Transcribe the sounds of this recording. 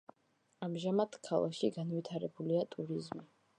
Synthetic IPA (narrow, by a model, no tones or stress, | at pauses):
amʒamad̪̥kʰalˠakʃiɡanwit̪ʰaɾɛbuliat̪ʼuɾizmi